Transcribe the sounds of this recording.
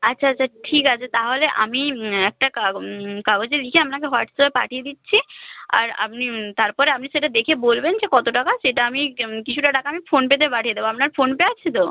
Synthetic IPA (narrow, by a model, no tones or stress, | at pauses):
atːɕʰaatːt͡ɕʰaʈʰikat͡ɕʰat̪aɦoleʔa̰miɛk̚ʈakkabod͡ʑelikʰeamnakeɦɔʈsoepa̰ʈʰied̪itːɕʰia̰ɾa̰pnit̪aɾpɔɾeap̚niʃeʈad̪ekʰebolbend͡ʑekɔt̪oʈakaʃeʈaamikit͡ɕʰuʈaɖakaamifonpet̪̬epaʈʰijed̪eboapnaɾfonpeat͡ɕʰit̪o